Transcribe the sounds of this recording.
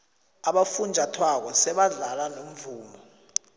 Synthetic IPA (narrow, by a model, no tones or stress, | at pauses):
aɓafund͡ʒʱatʰwak̬ɔsɛɓaɮalanom̩vuːmɔ